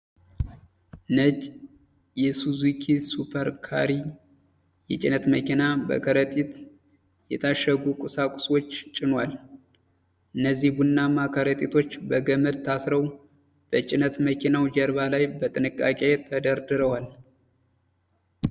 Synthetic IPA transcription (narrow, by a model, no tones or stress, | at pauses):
ɨnət͡ʃʼ | jɛsuzukʰisupʰəɾkʰa̰ɾi | jɛt͡ʃʼɪnət̪məkʰinabə̰kʰəɾət̪ʼit̪ | jɛt̪ʰaʃːəɡukʼʊsakʷʼʊswo̞t͡ʃːt͡ʃʼɪnwal | ʔɨnːəzːihbunːamakʰəɾət̪ʼit̪ʰo̞t͡ʃːbəɡəməd̪t̪ʰasɾəw | b̥ət͡ʃʼɪnət̪məkʰinawd͡ʒəɾβalajbət̪ʼɨnɨkʼːa̰kʼe̞t̪ʰəd̪əɾd̪ɨɾəwal